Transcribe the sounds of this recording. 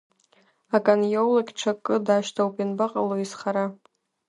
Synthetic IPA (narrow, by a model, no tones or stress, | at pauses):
akʼanjolokʲʈ͡ʂʷʰakʼːɨdaːʃtʰawpʼinbaqʼaloisχaɾa